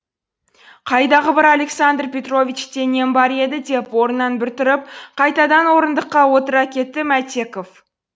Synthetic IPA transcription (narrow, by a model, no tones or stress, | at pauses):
qʰɑjd̪ɑʁəbɪɾɑlʲe̞ksand̪rpʲe̞t̪ro̞vʲit͡ʃt̪e̞ne̞nbɑɾe̞d̪ɪd̪e̞pwo̞ɾənːɑnbɪɾt̪ʊɾɪp̚qʰɑjt̪ɑd̪ɑnwo̞ɾənd̪əqːɑwo̞t̪əɾɑkʲʰe̞t̪ːɪmæt̪e̞ko̞f